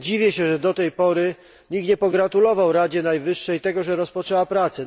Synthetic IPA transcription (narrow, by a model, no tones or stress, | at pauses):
d͡ʑivʲjɛɕɛʐɛd̪ɔt̪ɛjpɔɾɘ | ɲik̪ɲɛpɔɡɾat̪ulɔvawɾad͡ʑɛnajvɘʂːɛjt̪ɛɡɔʐɛɾɔspɔt͡ʂɛwapɾat̪sɛ